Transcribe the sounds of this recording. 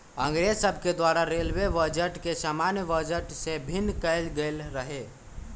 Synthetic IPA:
ə̃ŋɡɾed͡ʒsəbʱked̪waɾaɾelʋeʋəd͡ʒəʈkesamanjəbəd͡ʒəʈsebʱinːkəɪlɡelɾəɦe

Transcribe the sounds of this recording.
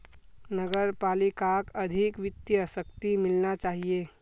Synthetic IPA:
nəɡəɾpaːlikakɐd̪ʱɪkʋɪt̪jəsəkt̪imɪlnat͡ʃaːɦieː

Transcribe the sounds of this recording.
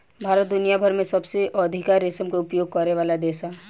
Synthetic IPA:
bʱaːɾət̪̚d̪ʊnijabʱəɾmẽsɐbseʔɔːd̪ʱɪkaɾesəmkoʊpjoːɡ̚kəɾeʋaːlad̪eːʃa

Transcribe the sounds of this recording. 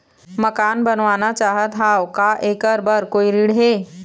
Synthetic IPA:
məkaːnbənʋanat͡ʃaːɦət̪ɦawkaʔekəɾbəɾkoːiɾiɽɦe

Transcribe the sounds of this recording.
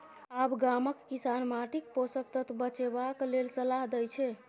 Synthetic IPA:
abɡaməkːisanmaʈikposəkt̪ət̪bət͡ʃebaklelsəlaɦd̪ɛjt͡ʃʰɛ

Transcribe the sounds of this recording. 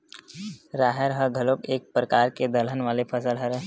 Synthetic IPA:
ɾaːɦəɾɦɐɡʱəlobeːk̚pɾəkaːɾked̪ələnʋaːlepʰəsəlɦəɾ

